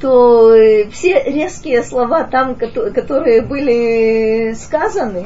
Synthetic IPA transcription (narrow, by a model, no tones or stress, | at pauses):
t̪ofsʲeɾʲe̞skʲɪjəslˠɐvat̪amkɐt̪kɐt̪o̞ɾɨjəbɨlʲɪ | skazənɨ